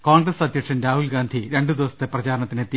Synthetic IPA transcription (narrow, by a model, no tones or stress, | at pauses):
koːɳɡrɐsɐd̪ʱjɐkʂɐnɾaːɦulɡaːnd̪ʱiɾe̞ɳɖud̪iʋɐst̪ːeprɐt͡ɕaːɾɐɳɐt̪ːinet̪ːi